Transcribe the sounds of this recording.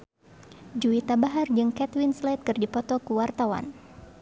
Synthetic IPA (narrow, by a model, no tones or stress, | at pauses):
d͡ʒuit̪abaɦard͡ʒɨŋkɛt̪winslat̪̚kɨrdipɔt̪ɔkuwart̪awa̰n